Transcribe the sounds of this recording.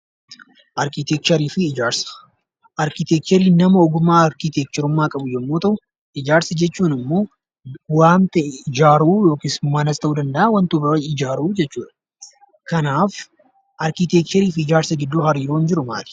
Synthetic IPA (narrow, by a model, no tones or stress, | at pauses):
ʔɐɾkit̪ɛk̚t͡ʃ̪ɐɾiːfɪːd͡ʒaːɾsɐ̥ | ʔɐɾkɪt̪ɛk̚t͡ʃ̪ɔɾiːnɐmɐɔɡʊmːaːɐɾkit̪eːk̚t͡ʃɔɾʊmːaːkʼɐbʊjɛmːoːt̪ɐʔʊ | ɪd͡ʒaːɾsɐd͡ʒɛt͡ʃːuːnɪmːo̞ː | waːnt̪ɐʔɛɪd͡ʒaːɾuːjo̞ːkismɐnɐst̪ɐʔuːd̪ɐnd̪ɐʔawɐnt̪ʊbɐɪd͡ʒaːɾuːd͡ʒɛt͡ʃːuːᶑɐ̥ | kɐnaːf | ʔɐɾkit̪ek̚t͡ʃ̪ɐɾiːfɪd͡ʒaːɾsɐɡɪd̪ːuːɦɐɾiːɾoːnd͡ʒɪɾʊma̰ːt̪ɪ̥